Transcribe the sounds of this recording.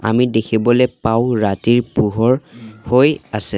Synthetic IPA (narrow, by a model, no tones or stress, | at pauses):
a̰midekʰibɔlɛpaʊɹatiɹpuɦɔɹhojasɛ